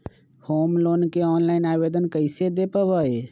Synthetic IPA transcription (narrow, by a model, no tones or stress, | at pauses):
hoːmloːnkeɔːnlaːɪnaːbeːd̪ənkəɪsed̪epəʋəe